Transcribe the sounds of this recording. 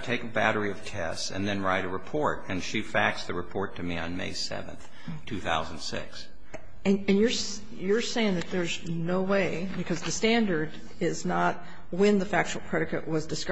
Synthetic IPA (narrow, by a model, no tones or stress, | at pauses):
tʰeɪkɨbæ̰ɾə˞iʌv̥tʰɛ̰stsɨ̰̃nðɨ̃nɹaɪɾɨɹɨpʰɔɹɾɨ̃nʃifæk̚sðɨɹɨpʰɔɹtʰɨmiɨ̰̃nmḛɪsɛ̰vɨ̰̃nθ | tʰʉθa̰ʊz̃n̩d̥sɪ̰ks | ɨ̃ɨ̃njə˞s | jə˞seɪɪ̃ŋðɨt̪̚ðə˞z | noʊweɪ | bɨkʰʌzðɨstæ̃ndə˞ɾ | ɪznət̚ | wɨ̃nðəfæk̚t͡ʃul̩ˠpʰɹ̥ɛɾɨkɨ̰ʔwʌzdɨsk